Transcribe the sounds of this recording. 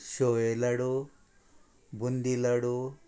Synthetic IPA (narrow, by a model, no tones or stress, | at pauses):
ʃoelɐɽu | bund̪ilɐɽu